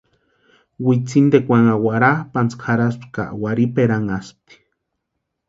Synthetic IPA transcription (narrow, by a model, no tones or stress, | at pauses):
wit͡sind̪ekʷaŋawaɾapant͡skʰaɾaspka̰ʔwaɾipeɾaŋast̪i̥